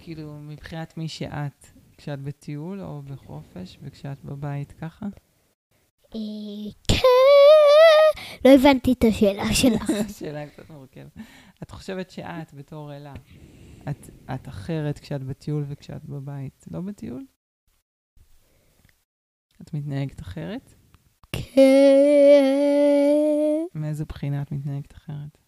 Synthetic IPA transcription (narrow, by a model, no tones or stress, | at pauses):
kʰiiːlumibχinatmiʃḛʔatkʃeatbetʰiulo̰beχo̞fe̞ʃvekʃeatbabaitkaχa | ekʰɛ | lo̞evant̪itaʃeːlaʃelaʃeːlaktt͡satmoʁkevet | atχo̞ʃe̞vetʃḛʔatbeto̞ʁelaʔatataχe̞ʁetkʃeatbetʰiulvekʃea̰tbabaitlo̞betiul | atmitnaeɡetaχe̞ʁet | kʰe | meezupχinaːtmitnaeɡetḁχeʁet